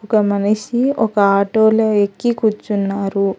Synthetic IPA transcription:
ukɐmɐnɐʃiɔkɐaːʈoːlɐekːikut͡ʃːunːaːɾu

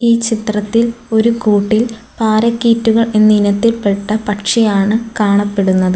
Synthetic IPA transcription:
iːt͡ɕit̪rɐt̪ːilo̞ɾukuːʈːil | paːɾɐkːiːtːuɣɐɭenːinɐt̪ːilpe̞ʈːɐpɐʈʂɐjaːɳɨkaːɳɐpːe̞ɽunːɐðɨ

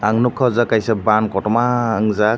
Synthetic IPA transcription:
aŋnukʰːɔzakajsabankɔtɔmaɯŋza

